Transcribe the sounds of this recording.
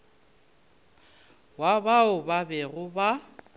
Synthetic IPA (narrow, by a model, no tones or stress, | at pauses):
wabaʊbabɛɣʊba